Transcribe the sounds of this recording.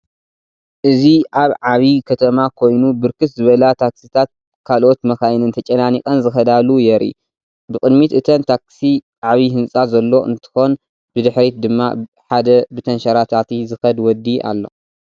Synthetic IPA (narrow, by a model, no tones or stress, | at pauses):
ʔɨziʔaβʕaβikʰɐt̪ʰɐmakʰo̞jnubɨɾkɨt̪zɨβɐlat̪ʰaksit̪ʰat̪̚ | kʰalʔo̞t̪mɐkajnɨnt̪ʰɐt͡ʃʼɐnanikʼɐnzɨxɐd̪alujɛɾḭ | bɨkʼɨd̪mit̪ʔɨt̪ʰɐnt̪ʰaksi | ʕaβiɦɨnsʼazɐlːo̞ɨ̰nt̪ʰɨ̥xo̞n | b̥ɨd̪ɨħɾet̪̚d̪ɨmːa̰ | ħad̪ɐbɨt̪ʰɐnʃɐɾat̪ʰat̪ʰizɨxɐd̪wɔd̪ːiʔa̰lːo̞̰